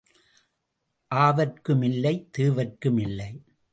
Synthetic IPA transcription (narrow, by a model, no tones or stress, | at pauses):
ʔaːʋɐrkɯmɪlːɐɪt̪ɯːʋɐrkɯmɪlːɐɪ